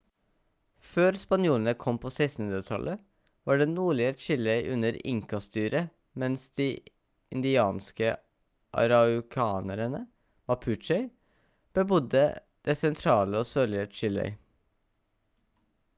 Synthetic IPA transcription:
føːɾspɑnjuːlənəkʰɔmpʰosæɪst̪n̩nd̪ɾət̪ʰɑ̰lʔə | ʋɑːɖɛnuːɭɪət͡ʃɪlɛɪʔʉnəɾɪ̰ŋkɑst̪yːɾə | mɛnsd̪̥iː | ɪnd̪ɪɑːnskə | ʔɑ̰ɾɑʊkʰɑːnəɾənə | mɑpʰʉt͡ʃɛɪ | b̥əbʊd̪ə | d̪̥esɛnt̪ʰɾɑːləoːsøːlɪət͡ʃɪlɛ̰ɪ

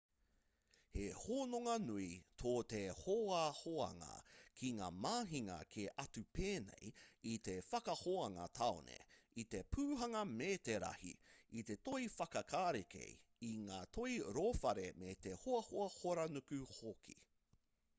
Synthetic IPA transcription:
hehoːnoŋɐnuitʰoːt̪ehoːahoɐ̰ŋɐ̰kʰiŋa̰ːmaːɦiŋɐ̰kʰeʔɐtʉpeːnejit̪e̞fɐkɐhoɐŋɐ̰t̪ʰaonḛit̪epʰʉːɦɐŋɐmeːt̪eɾɐ̰hḭit̪e̞t̪oifɐkɐkʰaːɾekʰḛjiŋaːtʰoiɾoːfɐɾemet̪ehoɐhoɐhoɾɐnukʉhokʰi̥̰

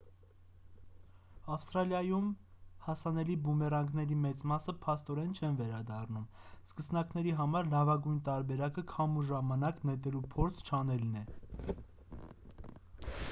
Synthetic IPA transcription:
ɑfst̪ɾɑljɑjumhɑsɑnɛlibumɛrɑŋɡnɛɾimɛt͡smɑsəpʰɑst̪ɔɾɛnt͡ʃʰɛnvɛɾɑd̪ɑrnum | skəsnɑknɛɾiɦɑmɑɾlɑvɑɡujnt̪ɑɾbɛɾɑkəkʰɑmuʒɑmɑnɑknɛt̪ɛlupʰɔɾt͡sʰt͡ʃʰɑn̪ɛlnɛ

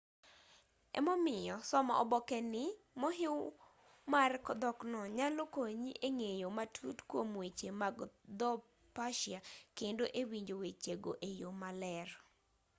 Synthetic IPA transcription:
ɛ̰mɔmɪjɔsɔmɔʔɔ̰bɔkɛnɪ | mɔɦɪw | markɔd̪ɔknɔɲalokoɲiʔeŋejomatʰṵtkwomwet͡ʃemaɡd̪ɔ | paʃjakendoʔewiɲd͡ʒowet͡ʃeɡoʔejomalɛr

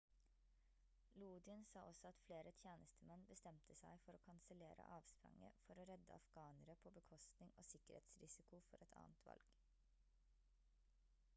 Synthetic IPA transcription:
luːd̪ɪənsɑːʔɔsɔɑt̪fleːɾʔət̪ʰjeːnəst̪ʰəmɛnbəst̪ɛmt̪ʰəsæɪfɔɾoːkʰɑnsəleːɾə̰ʔɑːʋspɾɑ̰ŋə̰fɔɾoːɾɛd̪ə̰ɑfɡ̥ɑːnəɾəpʰoːbəkʰɔst̪nɪŋo̰ːsɪkəɾhḛːt̪sɾɪsɪkʊfɔɾɛt̪ʰɑ̰ːnt̪ʰʋɑ̰lɡ̥

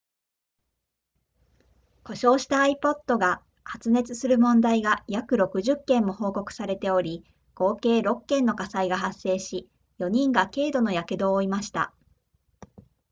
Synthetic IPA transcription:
ko̞ɕo̞ːɕi̥t̪aːipo̞t̪ːo̞ɡa | hat͡sɨne̞t͡sɨsɨɾɯ̟mõ̞nd̪aiɡajakɯ̟ɾo̞kɯ̟ʑɨkːẽ̞mːo̞ho̞ːko̞kɯ̟̥saɾe̞t̪e̞o̞ɾʲi | ɡ̥o̞ːke̞ːɾo̞kːẽ̞nːo̞kasaiɡaɦasːe̞ːɕi | jo̞ɲ̟ĩŋɡake̞ːd̪o̞no̞jaked̪o̞ːimaɕi̥t̪a̰

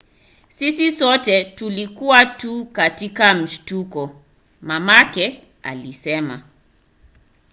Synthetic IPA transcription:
sisisɔtɛtulikuwatukatikam̩ʃtukɔ | mamakɛ | a̰lisɛma̰

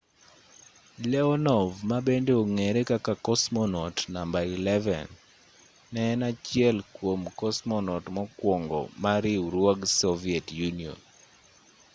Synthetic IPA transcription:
lɛɔnɔvmabendeoŋeɾekakakɔsmɔnɔtnambailɛvɛ̰nː | ɛnat͡ʃɪɛlkwomkɔsmɔnɔtmɔkwɔŋɡɔ̰maɾiɾwɔɡsɔviɛtjuniɔ̰n

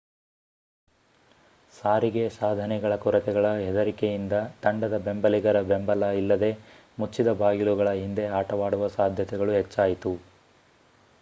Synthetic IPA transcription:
saːɾiɡe̞saːd̪ʱɐnɛɡɐɭɐkuɾɐt̪ɛɡɐɭɐɦɛd̪ɐɾikejind̪ɐt̪ɐɳɖɐd̪ɐbembɐliɡɐɾɐbembɐlɐilːɐd̪e̞ | mut͡ʃːid̪ɐbaːɡiluɡɐɭɐɦind̪e̞aːʈɐʋaːɽuʋɐsaːd̪ʱjɐt̪ɛɡɐɭuɦet͡ʃːaːjit̪u

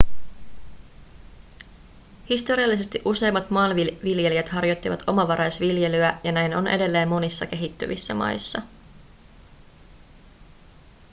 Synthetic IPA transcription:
hist̪o̞ɾiɑlːise̞st̪iʔuse̞jmːɑt̪mɑːnʋiʋilje̞liæt̪hɑrjo̞t̪ːiʋɑ̰t̪ʰo̞mɑʋɑɾʔɑjsʋilje̞lyæjɑnæjno̞nʔe̞̰de̞lːe̞ːmːo̞nisːɑke̞ɦit̪ːy̰ʋisːæmɑ̰jsːɑ

